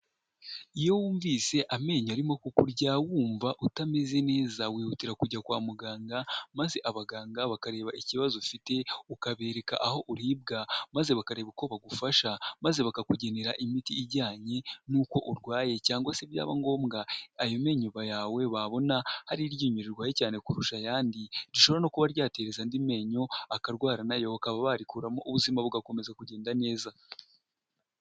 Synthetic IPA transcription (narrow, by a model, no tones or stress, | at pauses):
ijo̞wuːɱviːse̞ʔame̞ːɲaɾimo̞kukuɾɟawuːɱvaʔutameze̞ne̞ːzawiːhutiɾakuɟakwaːmuɡaːŋɡamaze̞ʔaβaɡaːŋɡaβakaɾe̞ːβaʔiciβazofite̞ukaβe̞ːɾe̞ka̰ʔaho̞ʔuɾiːb̚ɡamaze̞βakaɾe̞ːβuko̞βaɡufaʃamazeβakakuɟe̞neɾaʔimitiːɟaːɲe̞nuːko̞ʔuɾɡwaːje̞caːŋɡwasebja̰ːβa̰ŋɡo̞ːmɡaajome̞ːɲoβajaːwe̞βaβo̞nahaɾiɾɟiːɲuɾiɾɡwaːjecaːne̞kuɾuʃajaːndiɾiʃoβɾano̞kuβaɾɟaːte̞ɾe̞zandime̞ːɲo̞akaɾɡwaːɾanajo̞βakaβaβaɾikuɾamoʔuβuzimaβuɡako̞me̞zakuɟe̞ːndane̞ːza